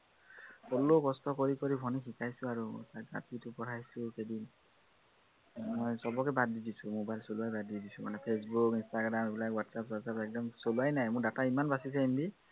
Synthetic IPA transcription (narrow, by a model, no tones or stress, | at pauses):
kɔlokɔstɔkoɹikoɹibʱɔnixikajsʊ̃aɹṵsaɡa̰titʊpɔɹʰajsʊxedin | mɔjsɔbɔkɛbadidisʊmobajlsoluajbadidisumanɛpʰes̬bukinstaɡɹamebilakwatsapatsapɛk̚dɔmsolajnajmʊɹdataimanbasisainbi